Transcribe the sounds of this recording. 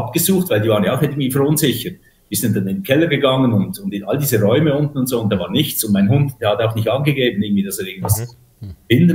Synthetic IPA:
ɑp̚ɡ̥əzuːχtvaɪldiːvaːʁənjaaʊxɪɡn̩tv̥iːfɛɐɾʊnzɪçət | viːszɪnt̚tːɑnɪndkʰɛlːəɡəɡɑŋənʊndʊndɪnɑldiːzəʁɔʏməʊntn̩ʊntszoːʊnt̚d̥ɑːvaːʁnɪçt͡sʊnt̚maɪnhʊndd̥eːhɑtaʊxnɪçtɑnɡəɡeːbən̩ɪɡn̩d̥viːd̥ɑseːɪɡ̚ən̩d̥v̥as | b̥ɪndə

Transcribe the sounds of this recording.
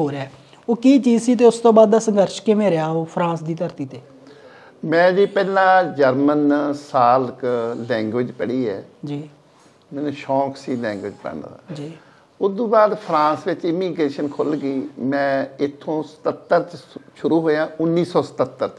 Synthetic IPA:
ɦoːɾeaːɛː | oːkiːt͡ʃiːzsiːt̪̬eːʊst̪õːbaːd̪̚d̪aːsəŋɡəɾʃkɪmẽːɾeaːoːpʰɾãːsd̪iːt̪əɾt̪iːt̪eː | mɛ̃ːd͡ʒiːpɛːlãːd͡ʒəɾmənsaːlklɛ̃ːŋɡʋɪd͡ʒpəɽiːɛːd͡ʒiː | mɛːnũːʃɔːksiːlɛ̃ːŋɡʋɪd͡ʒpɛ̰ɳd̪a̰ːd͡ʒiː | ʊd̪õːbaːd̪pʰɾãːsʋɪt͡ʃɪmiːɡɾeːʃənkʰʊlɡiːmɛ̃ːɪt̪ʰːõːsə̥t̪ət̪ːəɾʃʊɾuːɦoːjãːʊnːiːsɔːsə̥t̪ət̪ːəɾ

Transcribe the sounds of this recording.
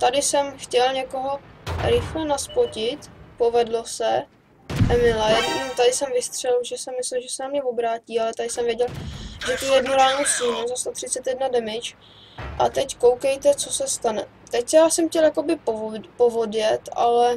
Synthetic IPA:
t̪adɪsɛmxcɛlɲɛkoɦo̞ɾɪxlɛnaspocɪt̪po̞vɛdlo̞sɛ | ʔɛmɪlɛjimt̪adɪsɛmvɪst̪r̝̥ɛlʒɛsɛmɪslɛlʒɛsɛnamɲɛvobɾaːciːalɛt̪adɪsɛmvjɛɟɛlʒɛt̪ujɛdnuɾaːnosciɦɲuzast̪ot̪r̥ɪt͡sɛt̪jɛdnadɛmɪt͡ʃ | ʔat̪ɛckowkɛjt̪ɛt͡sosɛst̪anɛ | t̪ɛcsjaːsɛmxcɛljako̞bɪpopovodjɛt̪ʔa̰lɛ

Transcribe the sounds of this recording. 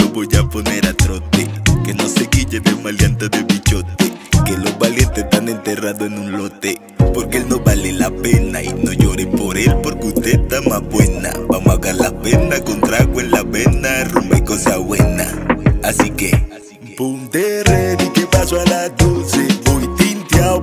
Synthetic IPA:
noboʝaponeɾat̪ɾot̪ekenoseɣiʎed̪emaljant̪aðeβit͡ʃot̪ekeloβaljent̪et̪anent̪eraðoenũnlot̪e | poɾkelnobalelapena̰ḭnoʝoɾepoɾelpoɾkut̪et̪amabwena̰bamaɣaɾlapenakont̪ɾaɣwenlaβenarumbekosaβwena̰asike | pund̪ereðikepasoalat̪useujt̪int̪ja

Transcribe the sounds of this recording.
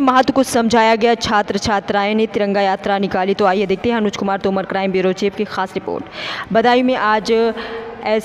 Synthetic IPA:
mɐɦat̪ukosɐmd͡ʒʱaːjaɡɐjat͡ʃʰaːt̪ɾət͡ʃʰaːt̪ɾaːẽnẽt̪ɪɾə̃ŋɡajaːt̪ɾanɪkaːlit̪oaːijed̪eːk̚t̪eɦɐnuːt͡ʃkʊmaːɾt̪oːməɾkɾaːɪmbiɾoːt͡ʃeːpkexaːsɾɪpo̰ːɾʈbɐd̪ʱaːjũmẽʔaːd͡ʒ | ɛː

